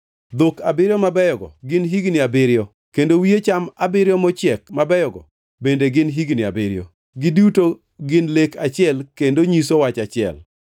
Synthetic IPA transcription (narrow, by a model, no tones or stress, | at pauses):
d̪okabɪɾjɔmabɛjɔɡɔ̰ɡɪnɦiɡnɪabɪɾjɔ | kendowiet͡ʃamabɪɾjɔmɔt͡ʃjɛkmabɛjɔɡɔ̰ | bendeɡɪnɦiɡnɪabɪɾɪjɔ̰ | ɡɪduto | ɡɪnlekat͡ʃɪɛlkendoɲisowat͡ʃat͡ʃɪɛ̰l